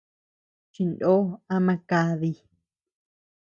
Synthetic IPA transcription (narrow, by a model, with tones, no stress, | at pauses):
t͡ʃi˧ndo˦a˦mã˧ka˧˦ði˧